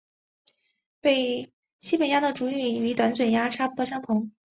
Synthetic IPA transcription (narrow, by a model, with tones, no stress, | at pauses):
pe˥˩ɪ | ɕi˥pə˨˩nja˥d̪ə˨ʈ͡ʂu˧˥y˥˩y˧˥t̪wa˧˥nt͡swə˨˩nja˥ʈ͡ʂʰa˥pu˥˩˥ɕjɑ˥ŋt̪ʰʊ˧˥ŋ